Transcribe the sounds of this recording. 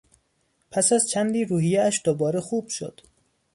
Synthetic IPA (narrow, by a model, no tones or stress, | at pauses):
pʰæsæzt͡ʃʰænd̪iːɾuːhijeæʃd̪̥obɒːɾexuːb̥ʃo̰d̪̥